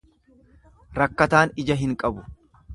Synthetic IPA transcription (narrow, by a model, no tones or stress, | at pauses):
ɾɐkːɐt̪aːnɪd͡ʒɐɦɪŋkʼɐbʊ